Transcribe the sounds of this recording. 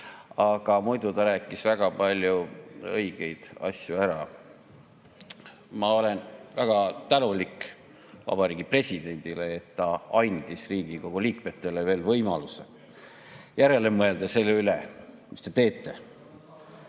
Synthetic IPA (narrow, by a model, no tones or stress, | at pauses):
ɑɡ̥ɑmujd̪ut̪ɑɾæːkːˑisvæɡ̥ɑpɑlʲjuɤjɡ̥e̞jd̪̥ɑ̰sʲjuæɾɑ | mɑo̞le̞nvæɡ̥ɑt̪ænulik | vɑ̰b̥ɑɾiːɡipre̞sʲid̪̥e̞nʲd̪̥ileːt̪ːɑɑjnd̪̥isriːɡ̥iko̞ɡ̥uliːkme̞t̪ːe̞leve̞ːlvɤjmɑlusḛ | jæɾe̞lemɤe̞ld̪̥ɑse̞lːeylekist̪e̞t̪e̞ːt̪ːe̞